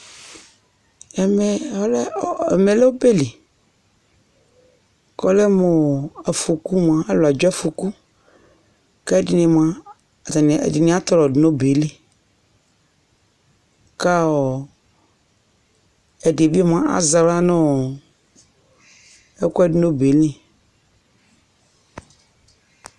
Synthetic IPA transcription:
ɛ˨me˨˦l̰me˨le˦o˦be˦le˨ | kɔ˦le˦mo˨a˨fu˨ku˦m˨ã˨e˦lo˨a˨d͡ʒa˦fu˨ku˦ | kɛ˦dɪ˨nɪ˨m˨ã˨ | t̪n̰˨di˨nĩ˨˦a˦t̪ɔ˦lɔ˨dno˦be˨˦le˦ | ka˦ɔ˨ | ɛ˨de˨bi˦m˨ã˦ʔa̰˨za˨la˦nʊ̃˦˨ | ɛ˦ku˦ɛ˦˨dɪ˨˦no˦be˨˦lĩ˨

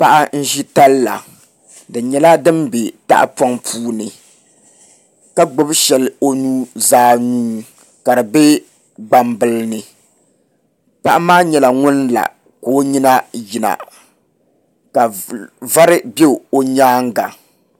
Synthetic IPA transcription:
pa˦ʔa˦n̩˦ʒi˦ta˦lla̰˨ | dɨ˨ɲɛ˨la˦dɨ˦mbe˨ta̰˦ʔa̰˦pɔ˦ŋpʰuː˦nɨ˨ | ka˦ɡ͡bʊ˦bʃɛ˨lɪ˦o˦nuː˦zaː˦nuː˦ | ka˨dɨ˨be˦ | ɡ͡ba˨mbɨ˨lnɨ˨ | pa˦ʔa˦maː˦ɲɛ˨la˨ŋʊ˦n˦la̰˨ | ko˨˦ɲi˦na˦ji˨na̰˨ | ka˨va˦ɾɪ˦be˦˨o˦ɲaː˦ŋ˦ɡa˨

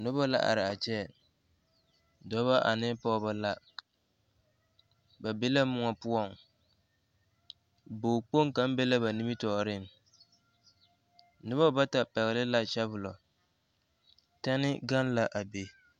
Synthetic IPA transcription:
nʊ˦bɔ˦la̰˦ʔa̰˨ɾɪ˨a˨t͡ʃɛ˦˨ | dɔ˦βa˦ʔa˨nɪ˦pɔ˦ba˦la˦ | ba˨be˦la˦mʊ˦ŋɔ˨pʊ˦ɔ˦˨ŋ | boː˨k͡po˦ŋ˦ka˨˦m˦be˦la˦ba˨ni˦mi˦tɔ˨ɾɪ˦ŋ˨ | nʊ˦βa˦ba˦ta˨pɛ˨ɣɪ˨lɪ˦la˦t͡ʃɛ˦bʊ˨lɔ˨ | ta˦nɪ˦ɡa˦n˦la˨ʔa˨be˨

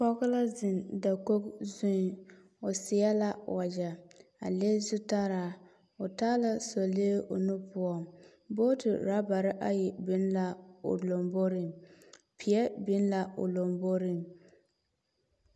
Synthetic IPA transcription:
kɔ˦ɣʊ˦la˦zɪ˨nda˨ko˦kzu˦n˨˦ | ʊ˨sɪ˨ɛ˦la˦wʔa˨d͡ʒa˨a̰˨leː˦zʊ˦ta˦ɾaː˨ | ʊ˨taː˦la˦so˨le˦ʔʊ̰˨nʊ˦pʊ˦ɔ˦m | bo˦tɪ̰˨ɾa˨˦ba˨ɾɪ˦ʔa˦jɛ˨bi˦nla˦o̰˨lo˨mbo˦ɾi˨m | pʰi˨ɛ˦bi˦n˦la˦ʊ̰˨lo˨mbo˦ɾi˦m

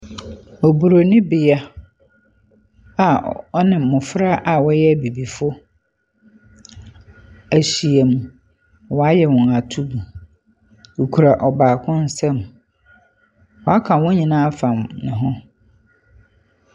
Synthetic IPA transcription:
o˨bu˨ɾo˨nɪ̃˦bɪ˨a˦ | a˨ɔ˦nɪ̃˨mʊ̃˨fɾa˦ʔa˨wɔ˦jɛ˦˨bi˨bi˨fʊ˦ | æ˨ɕi˨e˨mũ˨ | wɔ˨a˦jɛ˨wɔ̃˨a˨tʰu˦bu˨ | o˨kʰu˨ɾa˨ʔɔ˨baː˨kʰʊ̃˦n̩˦sɛ̃˦m | wɔ˨a˦kʰã˨wɔ̃˦ɲĩ˨nãː˦fã˨mnɪ̃˨ɦʊ̃˦

